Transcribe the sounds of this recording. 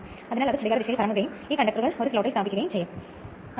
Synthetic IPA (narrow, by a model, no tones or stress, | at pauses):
ɐðɐnaːlɐðɯsɐɽɪɣaːɾɐʋɪʂɐjɐlpɐɾɐŋɡɯɣɐjɯmikːɐɳɖɐk̚t̪ːɐɾɣɐɭɔɾɯsɪlɐːʈːɐɪsaːbɪkʲːɯɣɐjɯmsɛjːɐm